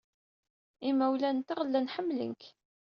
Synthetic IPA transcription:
imæwlænt̪iʁəlːænħəmːlə̰ŋk

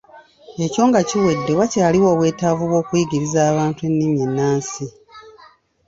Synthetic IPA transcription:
e̞co̞ːŋɡaciwe̞dːe̞wacaːliwoːβwe̞ːtavuβwo̞ːkwiɡiɾizaːβaːntue̞nːiɲinːaːnsi

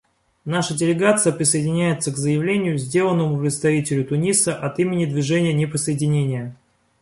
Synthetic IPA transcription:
naʂədʲɪlʲɪɡat̪sɨjəpɾʲɪsəɪdʲɪnʲæjɪt̪səkzəjɪvlʲenʲɪjʊzʲdʲe̞lˠənːəmʊpɾʲɪt̪st̪ɐvʲitʲɪlʲʊt̪ʊnʲisəʔɐt̪imʲɪnʲɪd̪vʲɪʐɛnʲɪjənʲɪpɾʲɪsəɪdʲɪnʲenʲɪjə

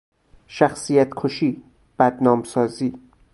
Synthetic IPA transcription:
ʃæxsiːjæt̪ʰkʰoʃiː | b̥æd̪nɒːmsɒːziː

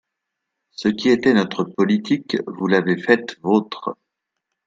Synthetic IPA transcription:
səkʲiet̪ɛnɔt̪χəpɔlit̪ʰikvulavefɛt̪vot̪χ

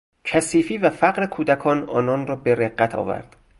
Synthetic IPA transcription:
cʰæsiːfiːvæfæɢɾekʰuːd̪ækʰɒːnɒːnɒːnrɒːbeɾeɢːæt̪ʰɒ̰ːvæ̰ɾd̪̥

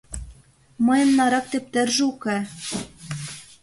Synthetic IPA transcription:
mɤ̆jɤ̆mnɑɾɑk̚t̪ep̚t̪ɘ̆rʒukæ

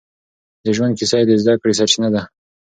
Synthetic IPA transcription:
d̪əʒwand̪̚kisɑjd̪ezd̪akɽis̬at͡ʃnad̪a

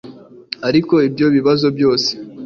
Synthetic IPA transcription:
aɾiko̞ibjo̞βiβazo̞bjo̞ːse̥

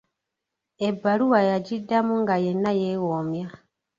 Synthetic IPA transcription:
e̞bːaluwajaɟidːamuŋɡaje̞nːajewoːmja

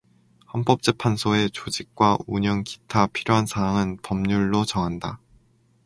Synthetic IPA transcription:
hamp͈ʌp̚t͡ɕ͈epʰansʰoe̞t͡ɕod͡ʑik̚k͈wauɲʌŋki̥tʰapʰiɾjoɦansʰaɦaŋɯnpʌmɲuɭːot͡ɕʌŋɦanda

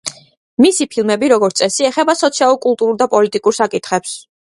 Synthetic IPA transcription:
misipʰilˠmɛbiɾɔɡɔɾt̪sʼɛsiɛχɛbasɔt̪sʰialˠuɾkʼulˠt̪ʼuɾuɾd̪apʼɔlit̪ʼikʼuɾsakʼit̪ʰχɛps

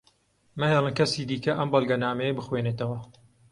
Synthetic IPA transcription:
mɨheːlˠɨnkɐsiːd̪iːkɐʔɐmbɐlˠɡɐnaːmɛjebɨxweːnet̪ɐwɐ

